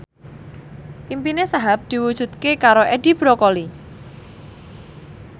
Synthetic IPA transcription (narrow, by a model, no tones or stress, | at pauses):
ʔimpinesaɦap̚d̪̥i̤wud̥ʒ̥ṳt̪̚kekaɾoʔedi̤b̥ɾokoli